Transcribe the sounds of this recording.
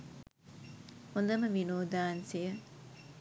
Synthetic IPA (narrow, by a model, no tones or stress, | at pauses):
hund̪ɐmɐʋinuːd̪aːnsijɐ